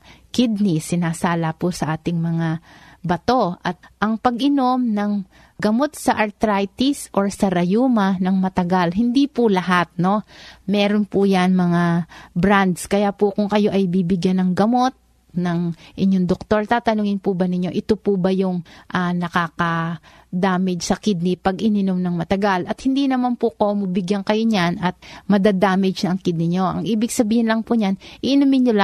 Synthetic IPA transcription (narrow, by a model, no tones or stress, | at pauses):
kɪd̪̚nɪsɪnaːsaːlɐpʊsɐʔaːt̪ɪŋmɐŋabɐt̪o̞ʔɐt̪̚ʔɐŋpɐɡʔɪno̞mnɐŋ | ɡɐmo̞t̪sɐʔɐɾt̪ɾajt̪isʔo̞ɹsɐɾɐjuːmɐnɐŋmɐt̪ɐɡalɦɪnd̪ipʊlɐɦat̪̚no̞mɛːɾonpʊjɐnmɐŋabɾand̪skɐjapʊkʊŋkɐjo̞ʔɐjbiːbɪɡjanɐŋɡɐmo̞t̪̚ | nɐŋʔɪɲːoŋd̪ok̚t̪o̞ɹt̪aːt̪ɐnʊŋɪnpʊbɐnɪɲːo̞ʔɪt̪opʊbɐjʊŋʔanɐkaːkɐ | d̪aːmɛd͡ʒsɐkɪd̪̚nɪpɐɡʔɪnɪnomnɐŋmɐt̪ɐɡalɐt̪hɪnd̪inɐmanpʊkomɐbɪɡjankɐjoɲanɐt̪̚mɐd̪aːd̪aːmɛd͡ʒnɐŋkɪd̪nɪɲo̞ʔɐ̰ŋʔiːbɪɡsɐbiːhɪnlɐŋpʊɲanʔɪʔɪnʊmɪɲol